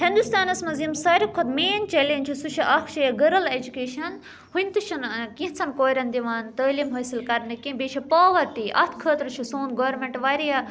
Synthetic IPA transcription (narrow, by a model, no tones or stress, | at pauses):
hind̪ust̪aːnɐsmɐzimsaːɾikʰːot̪meːnt͡ʃɐlenʲt͡ʃʰusuʃʰiʔɐxʃɐjɐɡɐɾɐled͡ʒukeːʃɐn | hunʲt̪ɨʃʰɐnkiɦt͡sʰɐnkoːɾɐnd̪iʋaːnt̪ɐːlimɦɐːsilkɐɾnɨkĩbeːʃʰɐpaːʋɐɾʈiʔɐ̰t̪ʰkʰəːt̪ɾt͡ʃʰusoːnɡoːʋɐɾmeɳʈʋaːɾijɐ